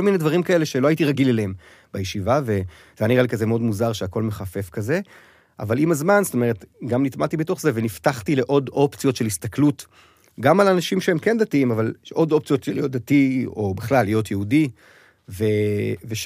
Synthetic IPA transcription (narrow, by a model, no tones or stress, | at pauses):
olmine̞dvaʁimkae̞leʃeloaitiʁaɡileleem | bajeʃivave̞ | zejaniʁalikazemeo̞dmuzaʁʃeako̞lme̞χafe̞fkaze̞ | ʔa̰valimazmanz̥to̞me̞ʁ̞etɡamnitmatibeto̞χze̞veniftaχtile̞ʔo̞do̞pt͡sijo̞tʃelhist̪aklut | ɡamalanaʃimʃeemke̞nd̪atiimavalʔo̞do̞p̚t͡sijo̞telijo̞t̚d̪atio̞beχlalːijo̞t̪jeudi | ve̞veʃ